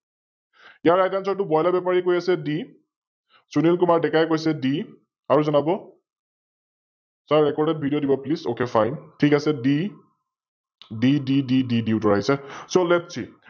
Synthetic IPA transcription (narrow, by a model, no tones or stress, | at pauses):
ijaɹajtansɔɹtʊbɔjlabɛpaɹikojasɛdi | sunilkumaɹdɛkajkojsɛdi | aɹuzɔnabɔ | saɹɹɛkɔɹdɛd̚bʱidijodibɔpliso̰kefajntʰikasɛdi | dididididiwtʊɹa̰ɦisɛsolɛtsḭ